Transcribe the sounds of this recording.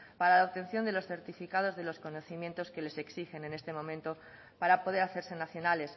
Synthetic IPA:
paɾalaoβt̪e̞nθjond̪e̞lo̞sθe̞ɾt̪ifikað̞o̞zðe̞lo̞sko̞no̞θimjẽ̞nt̪o̞ske̞le̞se̞ksixe̞ne̞ne̞st̪e̞mõ̞mẽnt̪o̞ | paɾapoð̞e̞ɾaθe̞ɾse̞naθjo̞nale̞s

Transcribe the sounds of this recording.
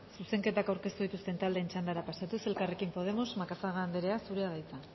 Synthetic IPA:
suse̞ŋke̞t̪akawɾke̞st̪uðit̪ust̪e̞nt̪ald̪eːnt͡ʃand̪aɾapasat̪use̞lkare̞kimpo̞ð̞e̞mo̞zmakasaɣand̪eɾe̞asuɾeaðajt͡sa

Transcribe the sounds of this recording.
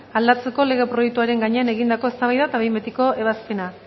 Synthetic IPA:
ald̪at͡se̞ko̞le̞ɣ̞e̞pɾo̞jek̚t̪uaɾe̞ŋɡaɲe̞ane̞ɣind̪ako̞e̞st̪aβajðat̪aβe̞jmbet̪iko̞e̞β̞aspe̞na

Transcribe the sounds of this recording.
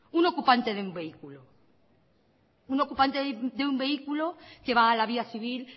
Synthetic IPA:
uno̞kupant̪eðeumbe̞ikulo | uno̞kupant̪eðeumbe̞ikuloke̞βaːlaβ̞iaθiβ̞il

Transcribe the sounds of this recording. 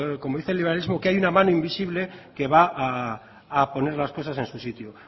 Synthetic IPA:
ko̞moðiθe̞lːiβeɾalizmokeajunamãnoimbisiβle̞ke̞βaʔaː | po̞ne̞ɾlasko̞sase̞nsusit̪jo

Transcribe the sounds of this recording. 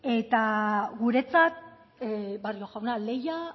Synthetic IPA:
e̞t̪aɣuɾe̞t͡sat̪̚ | barioɣawnale̞ja

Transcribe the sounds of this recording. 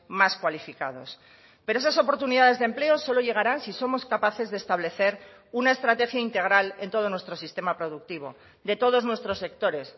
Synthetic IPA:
maskwalifikað̞o̞̰s | peɾo̞esaso̞po̞ɾt̪uniðað̞e̞zðe̞mple̞o̞so̞lo̞ʝe̞ɣ̞aɾansisomo̞skapaθe̞zðeːst̪aβ̞le̞θe̞ɾ | unaest̪ɾat̪e̞xjaint̪e̞ɣ̞ɾale̞nt̪o̞ðo̞nwest̪ɾosist̪e̞mapɾo̞ðuk̚t̪iβ̞o̞̰ | d̪e̞t̪oð̞o̞znwe̞st̪ɾo̞se̞kt̪o̞ɾe̞s

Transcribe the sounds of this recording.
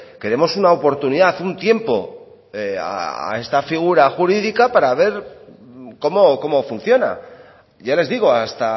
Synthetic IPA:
ke̞ɾe̞mo̞sunaopo̞ɾt̪uniðaθunt̪je̞mpo̞̰ | ea̰aa̰e̞st̪afiɣ̞uɾaxuɾiðikapaɾaβ̞e̞ɾ | ko̞mo̞ko̞mo̞fun̟θjo̞na̰ | ʝale̞zðiɣ̞o̞ast̪a

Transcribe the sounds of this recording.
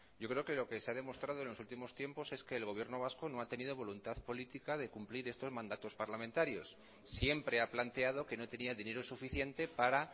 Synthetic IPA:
ɟ͡ʝo̞kɾe̞okelo̞ke̞seaðe̞mo̞st̪ɾað̞o̞e̞nlosult̪imo̞st̪je̞mpo̞se̞ske̞ːlɣoβje̞ɾno̞β̞asko̞no̞at̪e̞niðo̞β̞o̞lunt̪aðpo̞lit̪ikað̞e̞kumpliɾe̞st̪o̞zmãnd̪at̪o̞spaɾlamẽnt̪aɾjo̞s | sje̞mpɾe̞aplant̪e̞aðo̞ke̞no̞t̪e̞niaðine̞ɾosufiθje̞nt̪e̞paɾa

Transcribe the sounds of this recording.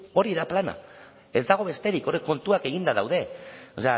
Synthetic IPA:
o̞ɾiðaplana̰ | e̞zd̪aɣ̞o̞βe̞st̪e̞ɾiko̞rekːo̞nt̪uake̞ɣ̞ind̪að̞awðe̞ose̞a

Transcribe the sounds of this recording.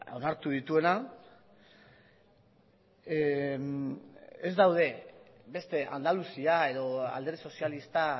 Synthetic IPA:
o̞naɾt̪uðit̪ue̞na | ezd̪awð̞e̞ | be̞st̪e̞ʔand̪alusiae̞ðo̞a̰ld̪eɾði̥so̞sialist̪a

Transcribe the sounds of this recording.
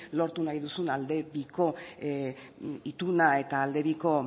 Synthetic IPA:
lo̞ɾt̪unajðusunald̪e̞βiko̞ | it̪unae̞t̪aːld̪e̞βiko̞

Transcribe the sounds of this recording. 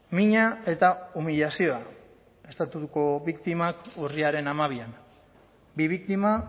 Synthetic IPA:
miɲae̞t̪aumiʎasio̞a | e̞st̪at̪uko̞βikt̪imakuriaɾe̞namaβ̞ian | biβ̞ik̚t̪ima

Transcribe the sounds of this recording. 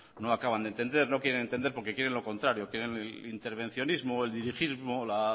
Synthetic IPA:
no̞akaβ̞and̪ent̪e̞nd̪e̞ɾno̞kjeɾenent̪end̪eɾpoɾke̞kje̞ɾenlo̞ko̞nt̪ɾaɾjo̞kjeɾe̞nelint̪e̞ɾβ̞e̞n̟θjo̞nizmoe̞ld̪iɾixizmo̞la

